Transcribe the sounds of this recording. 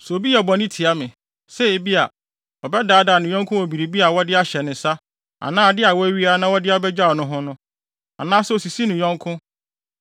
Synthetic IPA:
so˨bi˦ɛ˨bɔ̃˨nɪ̃˦tʰɪ˨a˦mɪ̃˨ | sɛ˦e˨bi˦a˨ | ɔ˨bɛ˦daː˨˦da˨nʊ̃˨ɲɔ̃˦ŋkʰʊ̃˦wo˨bi˨ɾi˨bi˦a˨wɔ˦dɪ˦a˦ɕɛ˨nɪ̃˨sa˦ | a̰˨nãː˦a˨dɪ˦a˨wɔ˦æ˦ɥi˦a˦nã˦wɔ˦dɪ˦a˨˦˨bɛ˦d͡ʑa˦˨ɔ˨nʊ̃˦ɦʊ̃˦nʊ̃˦ | a̰˨nãː˦sʊ˦o˨si˨si˦nʊ̃˨ɲɔ̃˦ŋkʰʊ̃˦

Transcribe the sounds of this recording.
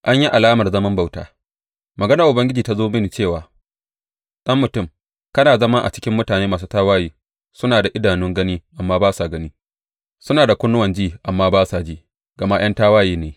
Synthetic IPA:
ʔa˦ɲji˦ʔa˨laː˦mɐ˨rzɐ˦mɐ˦mba˨wta̰ː˨ | mɐ˨ɡɐ˦nɐ˨ʔʊ˨bɐ˦ŋɡʲɪ˦d͡ʒiː˨ta˦zoː˦mɪ˦n˨t͡ʃeː˦˨waː˨ | ɗɐ˦mːʊ˨tʊ˦˨m | kɐ˦naː˨zɐ˦ma˦ʔa̰˨t͡ʃɪ̥˦kʲɪ˦mːʊ˦taː˨neː˦maː˨s̬uː˦taː˦waː˦jiː˦ | sʊ˦naː˨da˨ʔɪ˦daː˨nʊ˦ŋɡɐ˦niː˦ʔa˨mːaː˦baː˦sa˨ɡɐ˦niː˦ | sʊ˦naː˨da˨kʷʊ˦nːʊ˦wɐ˨nd͡ʒiː˦˨ʔa˨mːaː˦baː˦saː˨d͡ʒiː˦ | ɡ̥ɐ˨ma˦j̰ɐ˦ntaː˦waː˦jiː˦neː˨

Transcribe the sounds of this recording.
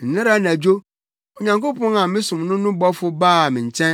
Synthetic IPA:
n̩˨nɪ̃˦ɾa˦næ˨d͡ʑo˦ | o˨ɲã˨ŋko˦pɔ̃˦nã˨mɪ̃˦sʊ̃˨mnʊ̃˦nʊ̃˦bɔ˦fʊ˦baː˦˨mɪ̃˨ɲ̩˨t͡ɕʰɛ̃˦

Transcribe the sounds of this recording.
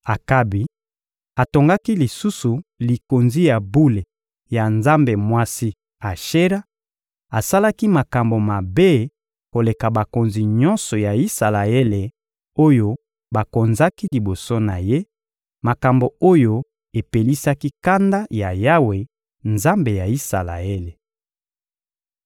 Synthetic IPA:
a˨ka˦bi˨ | a˨to˨ŋɡa˦ki˦li˨su˦su˨li˨ko˨nzi˦ja˨bu˦le˨ | ja˨nza˦mbe˨mwa˦si˦ | a˨ʃe˦ɾa˦ | a˨sa˦la˦ki˦ma˨ka˨mbo˨ma˨be˦ | ko˨le˨ka˨ba˨ko˨nzi˨ɲɔ˦nsɔ˨ja˨i˦sa˨la˨e˦le˨ | o˦jo˦ | ba˨ko˨nza˦ki˦li˨bo˨so˦na˨je˦ | ma˨ka˨mbo˨o˦jo˦ | e˨pe˨li˦sa˦ki˦ka˦nda˦ja˨ja˦we˨ | nza˦mbe˨ja˨i˦sa̰˨la̰˨e˦le˨

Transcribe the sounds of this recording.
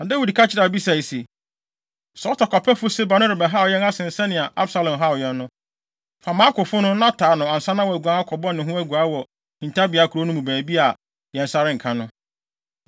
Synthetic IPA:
a˨da˦wi˨di˨kʰa˦t͡ɕʰɪ˦ɾa˨bi˦sa˨i˨se˨ | sɔ˨˦tɔ˨kɔ˨pʰɛ˦fʊ˦se˦ba˨nʊ̃˦ɾɪ˨bɛ˨ɦa˦ɔ˨jɛ˦na˦sɪ̃˨n̩˨sɛ˦nɪ̃˨a˨ʔa˦bsa˦lɔ̃˨mɦa˦ɔ˨jɛ˦nːʊ̃˦ | fa˨mãː˨˦kʊ˨fʊ˦nʊ̃˦nã˦tʰaː˨˦nʊ̃˨a˨n̩˨sa˦nã˦wɔ˨æ˨ɡu˨a˦a˦kʰɔ˨bɔ˦nɪ̃˨ɦʊ̃˦æ˨ɡu˨a˦wɔ˨ | hĩ˨n˨tʰa˦bi˨a˨˦kʰu˨ɾo˦nʊ̃˦mũ˨bæː˨bi˦a˨ | jɛ̃˨n˨sa˦ɾɪ̃˦ŋ̩˨kʰã˦nʊ̃˦

